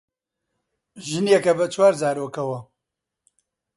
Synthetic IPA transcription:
ʒɨnjekɐbɐt͡ʃʰwaːɾzaːɾokɐwɐ

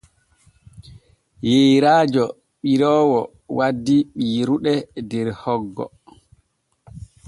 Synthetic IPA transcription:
jejɾaːd͡ʒɔ | ɓiɾɔːwɔ | wadːiɓiːɾuɗɛdɛɾhɔɡːɔ̰

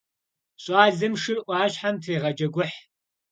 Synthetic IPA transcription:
ɕʼɑːɮɨmʂɨrʔʷɑːɕħamtʰeːʁɐd͡ʒɐɡʷʊħ

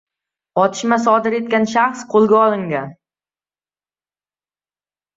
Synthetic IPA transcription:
ɒt̪ʰɪ̥ʃmasɒd̪ɪɾe̞t̪̚kʲanʃaχsqʰolˠɡʲaɒlˠɪŋɡʲan

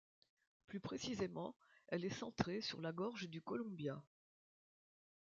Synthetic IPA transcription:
plypχesizemɑ̃ | ɛlɛsɑ̃t̪χesy̰ʁlaɡɔʁʒd̪ykɔlɔ̃bja

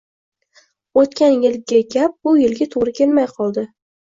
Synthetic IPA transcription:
ot̪kʲanjɪlɡʲaɡʲap̚bʊjɪlɡʲat̪ʰoʁɾɪkʲʰe̞lmajqʰɒlˠd̪ɪ

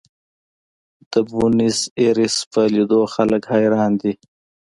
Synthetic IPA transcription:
d̪̥əbuniseɾispəlid̪oxaləkhɑːjɾɑːnd̪i

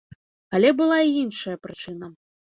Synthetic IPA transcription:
ɐlʲɛbɨlˠaiinʂɐjɐpɾɨt͡ʂɨnɐ

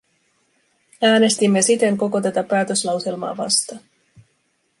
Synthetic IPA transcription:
æːne̞st̪imːesit̪e̞ŋko̞ko̞t̪æt̪æpæːt̪ø̞slɑwse̞lmɑ̰ːʋɑ̰st̪ɑ

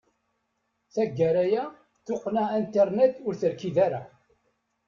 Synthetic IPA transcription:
θæɡːæɾæjæ | θʊqːnæænt̪əɾnet̪ʊɾθəɾkiðæɾa

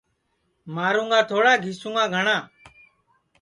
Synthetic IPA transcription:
maːɾũːŋɡaːt̪ʰoːɽaːɡʱiːsũːŋɡaːɡʱəɳaː

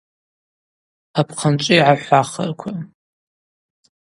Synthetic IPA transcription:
apʰqʰant͡ʃʷʼijʕaħʷaχɐ̰rkʷʰa

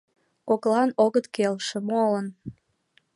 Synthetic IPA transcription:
koklɑnoɣət̪kelʃĕmolən

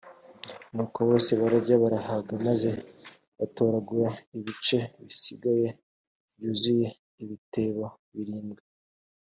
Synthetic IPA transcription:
nuːkoβo̞ːse̞βaɾaɾɟaβaɾahaɡamaze̞ | βato̞ɾaɡuɾaiβit͡ʃe̞βisiɡaje̞ | βjuːzuje̞ | iβite̞βo̞ | βiɾiːmɡe

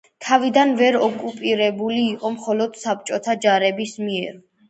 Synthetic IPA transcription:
t̪ʰavid̪anvɛɾɔkʼupʼiɾɛbuliːqʼɔmχɔlɔd̪̥sap̚t͡ʃʼɔt̪ʰad͡ʒaɾɛbismiɛɾ

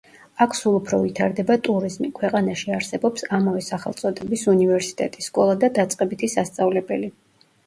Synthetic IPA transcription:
akʰsulˠupʰɾɔvit̪ʰaɾd̪ɛbat̪ʼuɾizmikʰwɛqʼanaʃiaɾsɛbɔpsamavɛsaχɛ̰lˠt̪sʼɔd̪ɛbisunivɛɾsi̥t̪ʼɛt̪ʼisːkʼɔlˠad̪ad̪at̪sʼqʼɛbit̪ʰisast̪sʼavlɛbɛli

